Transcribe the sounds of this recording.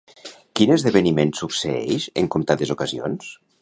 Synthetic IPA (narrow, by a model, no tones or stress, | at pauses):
kinəzðeβenimensukseɛ̰ʃə̰ŋkumt̪at̪ezukazio̰ns